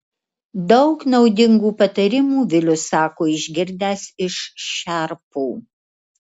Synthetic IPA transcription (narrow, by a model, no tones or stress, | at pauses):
d̪ɒʊknɔʊd̪ʲɪŋɡuːpɐt̪ɐɾʲɪmuːʋʲɪlʲʊsɑːkoːɪʒʲɡʲɪɾʲd̪ʲæːsɪʃʃʲæɾpuː